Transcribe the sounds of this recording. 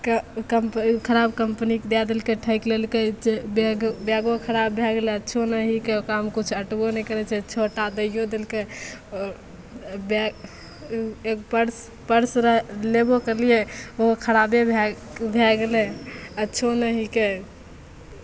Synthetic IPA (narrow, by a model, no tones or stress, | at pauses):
kkəmpkʰəɾabkəmpnikd̪ead̪elkeʈʰəɪklelket͡ʃebeɡbaɡokʰəɾabːʱɛɡeleətːt͡ʃʰonəɦikeokamkut͡ʃʰəʈbonɛkəɾɛt͡ʃʰɛt͡ʃʰoʈad̪əjod̪elkeɔɾ | be | ekpəɾs | pəɾsɾəɦlebokəɾlijeokʰəɾabebʱɛ | bʱeɡeleətːt͡ʃʰonəɦike